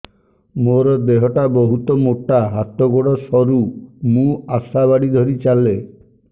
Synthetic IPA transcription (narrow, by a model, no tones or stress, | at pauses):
moɾɔd̪eɦɔʈabɔɦut̪ɔmoʈaɦat̪ɔɡoɽɔsɔɾumũasabaɽid̪ʱɔɾit͡ʃale